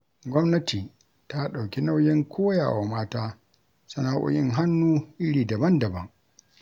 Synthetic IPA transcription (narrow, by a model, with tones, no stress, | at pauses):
ɡʷɔ˦mnɐ˦tiː˨ | ta˦ɗa˨wkʲi˦na˦wjɪ˦ŋkʷʰoː˦ja̰ː˨wa˨maː˦taː˦ | sʊ˦na˨˦ʔʷʊ̰˨jɪ˦ŋɦa˦nːuː˦ʔɪ˦ɽiː˨dɐ˨bɐ˦ndɐ˨bɐ˦ŋ